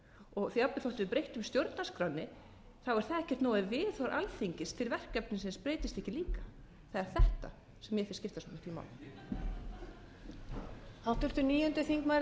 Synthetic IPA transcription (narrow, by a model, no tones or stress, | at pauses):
ɔɣθiapːɪθowht̪ɪvɪðpɾejht̪ʏmst̪jowɾt̪naskɾanːɪ | θawɛɾ̥θaðɛhcɛ̥t̪nɔːwðɪvɪːðθɔɾʔa̰lθiɲcɪst̪ʰɪlvɛr̥kɛpnɪsɛmspɾeːjt̪ɪst̪ɛhcɪliːkḁ | θaðɛɾ̥θɛht̪a̰ | sɛmjɛfɪscɪft̪asɔnɪht̪ima̰wlɪ | awt̪ʏɾ̥t̪ʏniːjʏnt̪ʏθiŋkma